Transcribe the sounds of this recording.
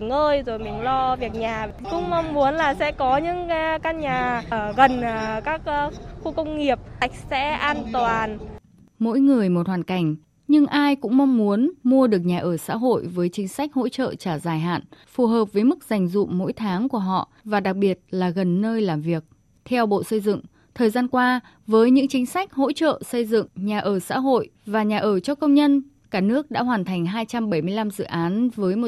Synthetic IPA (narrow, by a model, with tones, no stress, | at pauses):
ŋəː˧jzo˨˩jmï˨˩ŋ̟lɔ˧vi˨˩ək̚ɲaː˨˩ | kʊ̰˧˥ŋ͡mma˧wŋ͡mmu˨˦ənlaː˨˩sɛ̰˧˥kɔ˨˦ɲɨ̰˧˥ŋ˧ka˧nɲaː˨˩˧ɣə˨˩nː˨˩kaː˦˥k̚ːxu˧kə˧wŋ͡mŋi˨˩əp̚t̪a˨˩jk̟̚sɛ̰˧˥ʔaː˧nt̪waː˨˩n | mo̰˧˥jŋɨ˨˩əjmo˨˩t̚hwaː˨˩nka˧˩jŋ̟ | ɲɨ˧ŋʔaː˧jkʊ̰˧˥ŋ͡mma˧wŋ͡mmu˨˦ənmu˧əɗɨ˨˩ək̚ɲaː˨˩ʔəː˧˩sa̰ː˧˥ɦo̰˧˨jvəː˨˦jt͡ɕï˨˦ŋ̟sa˦˥jk̟̚ho̰˧˥t͡ɕə̰ː˧˨t͡ɕaː˧˩zaː˨˩jɦa̰ː˧˨nfu˨˩ɦəː˨˩p̚vəː˨˦jmɨ˦˥k̚za˨˩jŋ̟zʊ̰˧˨ŋ͡mmo̰˧˥jt̪ʰaː˨˦ŋku˧˩əɦɔ̰˧˨ʔvaː˨˩ɗa˨˩k̚ɓi˨˩ət̚laː˨˩ɣə˨˩nːəː˧jlaː˨˩mvi˨˩ək̚ | t̪ʰɛ˧wɓo̰˧˨sə˧jzɨ̰˧˨ŋ | t̪ʰəː˨˩jzaː˧nkwaː˧ | vəː˨˦jɲɨ̰˧˥ŋt͡ɕï˨˦ŋ̟sa˦˥jk̟̚ho̰˧˥t͡ɕə̰ː˧˨sə˧jzɨ̰˧˨ŋɲaː˨˩ʔəː˧˩sa̰ː˧˥ɦo̰˧˨jvaː˨˩ɲaː˨˩ʔəː˧˩t͡ɕɔ˧kə˧wŋ͡mɲə˧n | kaː˧˩nɨ˦˥ək̚ɗa̰ː˧˥ɦwaː˨˩nt̪ʰa˨˩ŋ̟ɦaː˧jt͡ɕa˧mɓə˧˩jmɨ˧əjla˧mzɨ̰˧˨ʔaː˨˦nvəː˨˦jmo˨˩